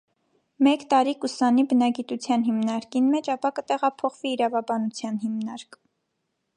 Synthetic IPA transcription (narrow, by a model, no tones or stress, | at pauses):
mɛkt̪ɑɾikusɑnibənɑɡit̪ut͡sʰjɑnɦimnɑɾkinmɛt͡ʃʰɑpɑkət̪ɛʁɑpʰɔχviːɾɑvɑbɑnut͡sʰjɑnɦimnɑɾk